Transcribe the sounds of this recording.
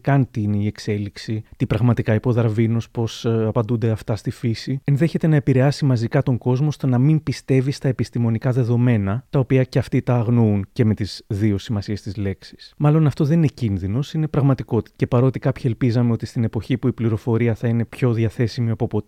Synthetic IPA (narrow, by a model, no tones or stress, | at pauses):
kɐnt̪iine̞ie̞kse̞liksit̪ipɾɐɣmɐt̪ikɐipo̞ðɐɾvinospo̞sɐpɐnd̪und̪e̞ɐft̪ɐst̪ifisie̞nðe̞çe̞t̪e̞nɐe̞piɾe̞ɐsimɐzikɐt̪o̞ŋɡo̞zmo̞st̪o̞nɐmimpist̪e̞vist̪ɐe̞pist̪imo̞nikɐðe̞ðo̞me̞nɐt̪ɐopiɐce̞ɐft̪it̪ɐːɣnouɲce̞me̞t̪izðio̞simɐsie̞st̪izle̞ksi̥smɐlo̞nɐft̪o̞ðe̞nine̞cinðino̞sine̞pɾɐɣmɐt̪iko̞t̪i̥t̪ce̞pɐɾo̞t̪ikɐpçie̞lpizɐme̞o̞t̪ist̪ine̞po̞çipuipliɾo̞fo̞ɾiɐθɐine̞pço̞ðʝɐθe̞simiɐpopot̪i